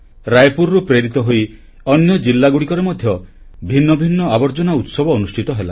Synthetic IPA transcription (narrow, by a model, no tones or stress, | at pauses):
ɾajpuɾɾupɾeɾit̪ɔɦoj | ɔnjɔd͡ʒilːaɡuɽikɔɾemɔd̪ʱjɔ | bʱinːɔbʱinːɔabɔɾd͡ʒɔnaut̪sɔbɔːnusʈʰit̪ɔɦela̰